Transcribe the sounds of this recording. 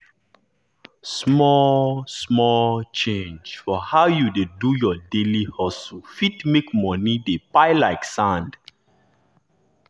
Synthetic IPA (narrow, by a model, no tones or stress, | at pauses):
smɔlsmɔlt͡ʃẽnd͡ʒfɔhaʊjudedujɔdelihɔsfitmekmɔ̃nidepaɪlaɪksãnd